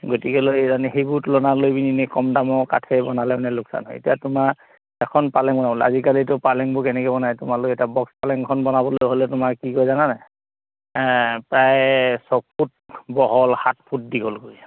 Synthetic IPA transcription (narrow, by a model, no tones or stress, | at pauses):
ɡotikɛlojzaniɦejbutlɔnalojbininekɔmdamɔka̰tʰɛbɔnalɛnɛlʊksa̰nɦɔ̰ḛtijatʊma | ɛkʰɔnpalɛŋbɔnabɔlɛa̰zikalitʊpalɛŋbokɛnɛkɛbɔnajtʊmalokɛtabɔkspalɛŋkʰɔnbɔnabɔlojɦolɛtʊmakkikojzananaj | pɹajsɔpʰut̚bɔɦɔlhat̚pʰut̚diɡolkoɹi̥